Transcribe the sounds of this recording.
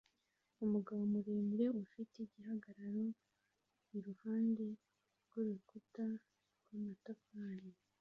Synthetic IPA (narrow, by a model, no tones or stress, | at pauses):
umuɡaβomuɾeːmɾe̞ufiteɟiɦaɡaɾaɾo | iɾuhaːnde̞ | ɾɡoβukuta | ɾwamatokaːɾi